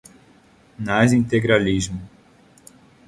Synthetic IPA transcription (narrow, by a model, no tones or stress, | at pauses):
nazĩnt̪eɡɾalizmʊ